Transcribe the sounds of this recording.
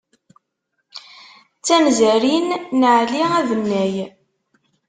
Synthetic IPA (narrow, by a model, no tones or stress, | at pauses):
t͡sːæmzæɾinːəʕliæðənːæj